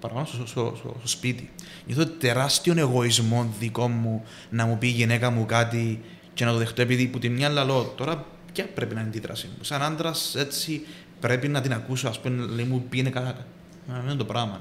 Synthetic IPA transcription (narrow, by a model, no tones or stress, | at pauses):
pɐɾɐpanossoso̰sospit̪i | ɲoθot̪e̞ɾɐst̪io̞ne̞ɣo̞izmo̞nðiko̞mːu | nɐmupiʝine̞kɐmukat̪̬i | cenɐt̪oðext̪oepiðiput̪imɲɐlːɐlo̞t̪o̞ɾɐ | pcɐpɾe̞pinɐnd̪iðɾɐ̰simmusɐnɐnd̪ɾɐse̞t͡sːi | pɾe̞pinɐt̪inɐkusoɐspumenleimupienekɐt̪ | nɐmenut̪opɾɐmɐ